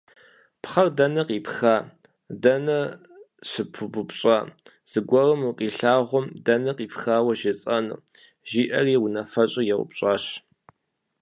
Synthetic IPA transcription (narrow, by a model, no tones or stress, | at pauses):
pχɐrdɐnɐqiːpxaː | dɐnɐ | ɕɨpʰɨbʊpɕʼaː | z̥ɨɡʷɔrɨmuqʼiːɬaːʁʷʊmdɐnɐqʼiːpxaːwɐʒɪt͡sʼɐnɨ̰ | ʒiːʔɐriːwʊnɐfɐɕʼɪjɛwʷʊ̰pɕʼaːɕ